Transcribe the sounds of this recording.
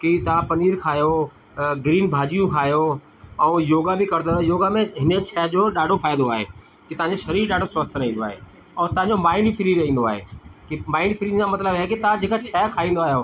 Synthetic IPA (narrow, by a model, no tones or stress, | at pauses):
kit̪ɐʋ̤ãpɐniːɾkʰaːjo | ɡɾiːnbʱaːd͡ʑijũkʰaːjo | ɛ̃ːjoːɡabɪkɐɾd̪ojoːɡamẽɦɪnet͡ɕʰɛːd͡ʑoɗaːɖʱofʰaːɪd̪d̪oaːɦḛː | kit̪ɐʋ̤ɦãɲd͡ʑeʃɐɾiːɾɗaːɖʱosəst̪ʰəɾɐɦĩːnd̪oaːɦḛ | ɔːt̪ɐʋ̤ãɲd͡ʑomaːɪɳɖfʰɪɾiɾɐɦĩːn̆d̪oaːɦḛːkimaːɪɳɖfʰɪɾid͡ʑamɐt̪ləbɦɛkit̪ʋãd͡ʑeːkat͡ɕʰɛːkʰaːĩːnd̪oaːɦjoː